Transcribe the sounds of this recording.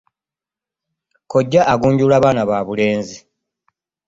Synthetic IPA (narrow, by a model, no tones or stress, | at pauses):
ko̞ɟːaʔaɡuːɲɟulaβaːnaβaːβule̞ːnzi